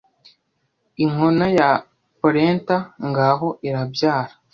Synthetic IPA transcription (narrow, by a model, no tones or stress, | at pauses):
iŋonaja | poɾeːntaŋɡaɦo̞ʔiɾabjaːɾḁ